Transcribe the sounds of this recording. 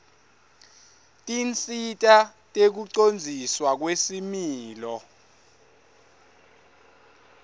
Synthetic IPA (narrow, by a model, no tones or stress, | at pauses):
tʼint͡sʼitʼa | tʼek̬uǀond͡zʱiswak̬wesimiːlɔ